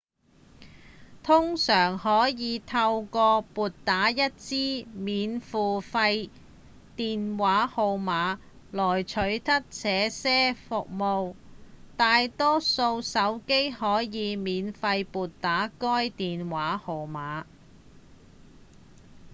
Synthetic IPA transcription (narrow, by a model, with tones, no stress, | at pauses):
t̪ʰʊ˥ŋsœː˨˩ŋhɔː˨˥jiː˨˧t̪ʰɐ˧wkɔː˧puː˨tt̪ːaː˨˥jɐ˥t̚t͡siː˥miː˨˧nfuː˨˩fɐ˧j | t̪iː˨nwaː˨˥ho˨˧wmaː˨˧ | lɔː˨˩jt͡ʃʰɵ˨˥ɥt̪ʰɐ˥k̚t͡sʰɛː˨˧˥sɛː˥fʊ˨k̚mo˨˧wt̪aː˨˧jt̪ɔː˥so˧wsɐ˨˥wke˥jhɔː˨˥jiː˨˧miː˨˧nfɐ˧jpuː˨t̚t̪aː˨˥kɔː˥jt̪iː˨nwaː˨˥ho˨˧wmaː˨˥